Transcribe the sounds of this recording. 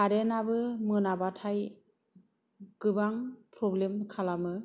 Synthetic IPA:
aɾenabɯmɯnabatʰaj | ɡ̥ɯbaŋpɾɔblemkʰalamɯ

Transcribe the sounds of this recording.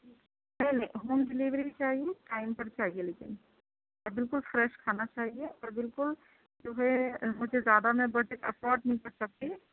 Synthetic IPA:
nɐɦinɐɦĩɦoːmɖɪliʋɾit͡ʃaːɦieʈaːɪmpɐɾt͡ʃaːɦieleːkɪ̰n | ɔɾbɪlkʊlfɾɛːʃkʰaːnat͡ʃaːɦieʔɔːɾbɪlkʊl | d͡ʒoːɦɛmʊd͡ʒʱezjaːd̪amẽbɐʈekɐpɔːɾɖnɐɦĩkɐɾsɐk̚t̪e

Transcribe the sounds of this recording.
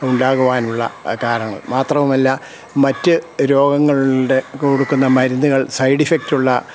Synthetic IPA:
uɳɖaːɣuʋaːnuɭːɐ̰kaːɾɐŋːɐ̰ɭmaːt̪rɐmumɐlːa | mɐtːɨɾo̞ːɡɐŋːɐɭiɽe̞koːɽukːunːɐmɐɾunːuɣɐɭsɐjɽifek̚tuɭːɐ

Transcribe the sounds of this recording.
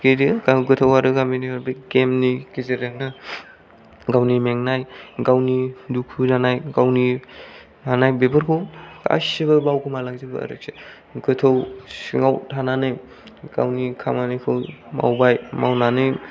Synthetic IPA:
keɾikaɡɯtʰowaɾɯɡaminiɾbɯkemnikizeɾeŋnɯ | ɡawnimeŋnajɡawnidukʰunanajɡawni | hanajbebɯɾkʰɯwka̰sibɐbawkɯmalaŋzibɐ̰ɐ̰ɾɯk̚se | ɡɯtʰowsiŋawtʰananɯj | ɡ̥a̰wnikʰamanikʰɯwma̰wbajmawnanɯj

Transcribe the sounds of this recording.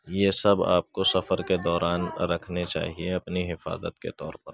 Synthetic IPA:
jeːsɐba̰ːp̚kosɐfəɾked̪ɔːɾaːnɾɐkʰnet͡ʃa̰ːɦieɐpniɦɪfa̰ːzə̰t̪kḛt̪ɔːɾpɐ̰ɾ

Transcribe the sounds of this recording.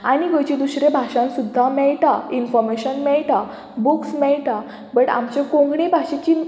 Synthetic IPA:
aɽ̃iɡəjt͡ɕid̪usɾebʱaɕãnsud̪ʱːamɛɭʈainfɔɾmeɕənmɛɭʈa | buksmɛɭʈa | bəʈa̰mt͡ɕekõŋɡɽẽbʱaɕet͡ɕi

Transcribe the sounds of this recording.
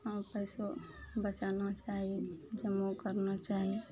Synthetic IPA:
kampəɪsobət͡ʃanat͡ʃaɦid͡ʒəmokəɾnat͡ʃaɦi

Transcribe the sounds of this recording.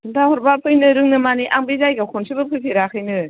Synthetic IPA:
untʰahɔɾbapʰɯjnɯɾɯŋnɯmaniʔaŋbezajɡakʰonsʰɯbɯpʰɯjpʰiɾakʰɯjnɯ

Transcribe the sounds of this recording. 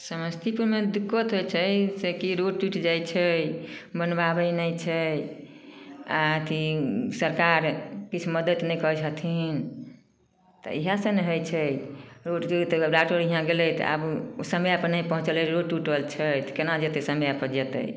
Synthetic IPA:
səməst̪ʰipuɾmed̪ukːət̪ɦojt͡ʃʰəsekiɾoɖʈuʈd͡ʒajt͡ʃʰəjbənbabəjnəjt͡ʃʰə | at̪isəɾkaɾkit͡ʃʰuməd̪ət̪nɛjkɔɦɛsət̪ʰin | t̪ɔ̰iɦasə̃neɦojt͡ʃʰəjɾoɖit̪ɾaʈoɾiɦãɡelɛjt̪a̰bsəməjapənəjpəɦũt͡ʃəlɛɾoɖʈuʈəlt͡ʃʰət̪kenad͡ʒet̪ɛsəməjapəd͡ʒet̪ə̰j

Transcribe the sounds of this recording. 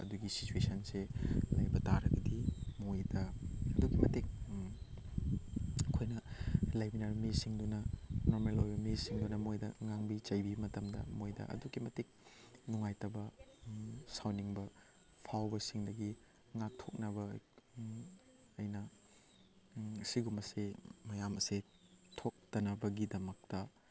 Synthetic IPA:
ɐ̰duɡisi̥t͡ʃuesɐnselɐ̰jbɐtaɾɐɡɐdimojdɐɐduɡimɐtek̚ | kʰojnɐlajbinaɾmisiŋdunɐnoɾmelojbɐmisiŋdunɐmojdɐŋaŋbit͡ʃɐjbimɐtɐmdɐ̰mojdɐ̰ʔɐ̰duɡimɐtek̚nuŋajtɐbɐ | sawniŋbɐ | pʰawbɐsiŋdɐɡi | ŋak̚tʰok̚nɐbɐ | ɐjnɐ | siɡumɐsemɐjamɐse | tʰok̚tɐnɐbɐɡidɐmɐk̚tɐ

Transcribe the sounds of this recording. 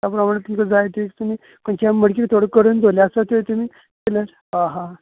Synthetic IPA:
t̪apɾəmaɳ̃et̪umkəd͡zajt̪ʰekt̪umiː | kuɳt͡ɕaməɽk̬ʲikt̪ʰoɽəkəɾund̪ʱolasat̪ot̪umiː | keləɾ | ɦãɦã

